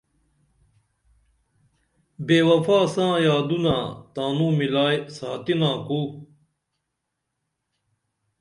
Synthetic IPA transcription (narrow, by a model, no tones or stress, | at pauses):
beːwɐpʰaːsãːjaːd̪unaːt̪aːnũːmilaːjsaːt̪inãːkuː